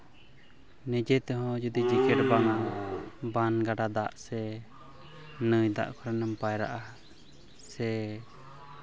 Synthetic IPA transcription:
nɛd͡ʒɛt̪ɛɦɔ̃d͡ʒud̪id͡ʒikɛʈbaŋabanɡaɖad̪aʔsɛ | nəjd̪a̰ʔkʰɔɾɛnɛmpajɾa̰ʔa | sɛ

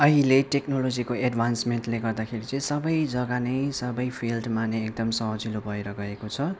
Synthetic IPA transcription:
ʌɦileʈeknolod͡zikoeɖbʱansmenʈleɡʌrd̪akʰeɾit͡sʌĩsʌbʌjd͡zʌɡanʌjsʌbʌjpʰilɖmaneːk̚d̪ʌmsʌɦd͡zilobʱʌjɾʌɡʌekot͡sʰʌ

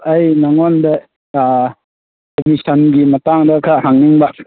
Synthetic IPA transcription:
ɐjnaŋɔndɐ | komisʰɐnɡimɐtaŋdɐkʰahaŋniŋbak

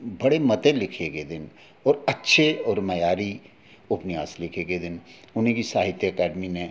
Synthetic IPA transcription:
bɐɽemɐt̪ẽlɪkʰeɡed̪ɪn | ɔːɾɐtːʃʰeɔːɾmɐjaːɾi | ʊpnɪjaːslɪkʰeɡed̪ɪn | ʊnɦẽkisaːɦɪt̪jəɐkaːɖminẽ

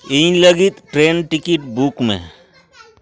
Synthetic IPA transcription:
iĩləɡit̪ʈɾeːnʈɪkɪʈbukmḛ̃

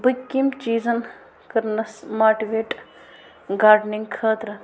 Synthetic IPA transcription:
bɨkːimt͡ʃiːzɐn | kɐɾnɐsmaːʈiʋeːʈ | ɡaːɾɖniŋɡkʰɐːt̪ɾɐ

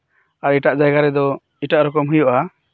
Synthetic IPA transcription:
aɾiʈaʔd͡ʒaɡaɾɛd̪ɔ | iʈaʔɾɔkɔmɦujɔʔa

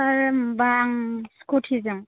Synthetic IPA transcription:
aɾbaŋskutʰizɯŋ

